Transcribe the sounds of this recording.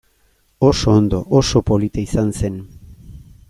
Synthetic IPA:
osoːnd̪o̞ʔoso̞po̞lit̪aisanse̞n

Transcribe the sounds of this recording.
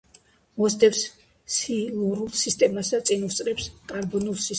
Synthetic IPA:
mɔsd̪ɛps | siluɾulˠsist̪ʼɛmasd̪at̪sʼinust̪sʼɾɛpskʼaɾbɔnulˠsis

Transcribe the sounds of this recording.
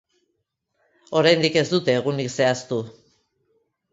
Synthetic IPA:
o̞ɾajnd̪ike̞zd̪ut̪e̞ːɣ̞unikse̞ast̪u

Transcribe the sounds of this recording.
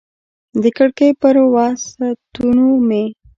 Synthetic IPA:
d̪əkəɽkəjpəɾwɑsat̪unume

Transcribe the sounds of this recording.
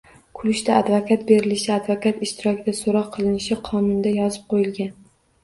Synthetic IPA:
kʰʊlɪʃt̪aad̪vakʰat̪̚be̞ɾɪlɪʃɪad̪vakat̪ɪʃt̪ʰɪɾɒkʲʰɪd̪asoɾɒqʰːɨlˠɪnɪʃɪqʰɒnʊnd̪ajɒzɪp̚qʰojɪlɡʲan

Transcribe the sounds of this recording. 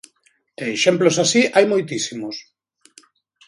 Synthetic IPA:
eʃemplosasiʔajmojt̪̬isimos

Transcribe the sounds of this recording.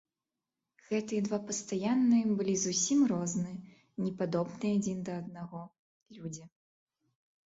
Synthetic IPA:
ɣ̥ɛt̪ɨjɛd̪vapɐst̪ajanːɨjɛbɨlʲizusʲimrɔznɨ | nʲɛpad̪ɔbnɨad͡zʲind̪ɐːd̪̚naɣɔ | lʲud͡zʲi

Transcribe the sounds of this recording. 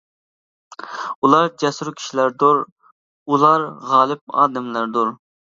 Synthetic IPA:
ulˠɑɾd͡ʒɛsɾukʲʰi̥ʃilæɾd̪uɾ | ulˠɑɾʁɑːlˠɨp̚ɑ̰ːd̪ɪmlæɾd̪uɾ

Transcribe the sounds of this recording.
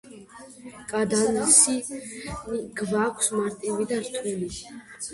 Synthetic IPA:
kʼad̪anisiniɡvakʰsmaɾt̪ʼivid̪aɾt̪ʰwɛli

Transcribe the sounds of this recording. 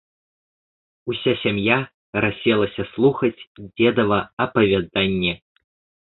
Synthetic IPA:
usʲasʲamja | ɾasʲɛlˠɐsʲɐslˠuxɐt͡sʲd͡zʲɛd̪ɐvɐɐpɐvʲad̪anʲːɛ

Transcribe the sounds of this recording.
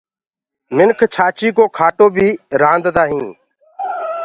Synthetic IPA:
mɪnkʰt͡ʃʰaːt͡ʃiːkoːkʰaːʈoːbʱiːɾãːnd̪d̪aːɦĩː

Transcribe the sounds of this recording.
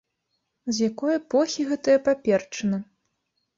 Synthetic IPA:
zʲjakɔjɛpɔxʲiɣɛt̪ɐjɐpapʲɛrt͡ʂɐnɐ

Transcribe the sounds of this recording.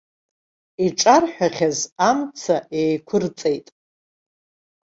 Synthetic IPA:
iʈ͡ʂʼarħᶣaχʲazamt͡sʰaʔejkʷʰʊrt͡sʼejtʼ

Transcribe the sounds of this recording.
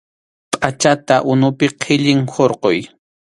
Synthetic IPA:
pʼat͡ʃat̪aʔʊnʊpɪqʰɪʎɪŋhoɾqoj

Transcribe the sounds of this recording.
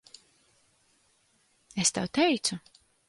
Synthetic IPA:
est̪awt̪ɛjt̪su

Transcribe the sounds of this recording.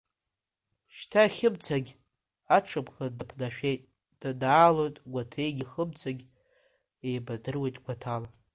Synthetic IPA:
ʃtʰaχʲɪbt͡sʰaɡʲ | aʈ͡ʂʰɨpχadapʰnaʃᶣe̞jtʼ | d̥adaːlo̞jtʼɡʷatʰejɡʲiχəb̚t͡sʰaɡʲ | ejbadɨrwe̞jtʼɡʷatʰala

